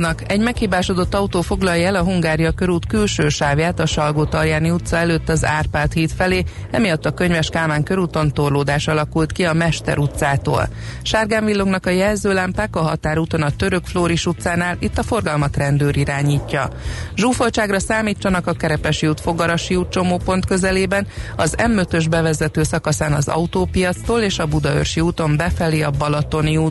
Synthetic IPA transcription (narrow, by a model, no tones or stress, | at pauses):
nɒkɛɟmɛkhiːbaːʃod̪ot̪ːɒut̪oːfo̞ɡlɒjɛlɒɦuŋɡaːɾijɒkøɾuːt̪kylʃøːʃaːvjaːt̪ɒʃɒlɡoːt̪ɒrjaːniut̪sɒɛløːt̪ːɒzaːrpaːrt̪hiːt̪fɛleːɛmijɒt̪ːɒkø̞ɲvɛʃkaːmaːŋkø̞ɾuːt̪o̞nt̪orloːd̪aːʃɒlɒkult̪kiɒmɛʃt̪ɛ̰ɾut̪saːt̪o̰ːlʃaːrɡaːɱvilːoɡnɒkɒjɛlzøːlampaːkɒɦɒt̪aːɾuːt̪o̞nɒt̪ø̞ɾø̞kfloːɾiʃut̪saːnaːlit̪ːɒfo̞rɡɒlmɒt̪rɛnd̪øːɾiɾaːɲiːcːɒʒuːfo̞lt͡ʃaːɡrɒsaːmiːt͡ʃːɒnɒkɒkɛɾɛpɛʃiuːt̪fo̞ɡɒɾɒʃiuːt̪̚t͡ʃo̞moːpo̞nt̪kø̞zɛleːbɛnɒzɛmːøt̪ø̞ʒbɛvɛzɛt̪øːsɒkɒsaːnɒzɒ̰ut̪oːpijɒt̪st̪oːleːʃɒbud̪ɒø̰rʃiuːt̪o̞mbɛfɛliːɒbɒlɒt̪o̞niuː